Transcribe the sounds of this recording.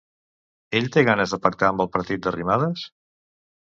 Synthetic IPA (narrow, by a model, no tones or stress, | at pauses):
eʎt̪eɣanəzðəpək̚t̪aəmbəlˠpəɾt̪it̪̚d̪ərimaðəs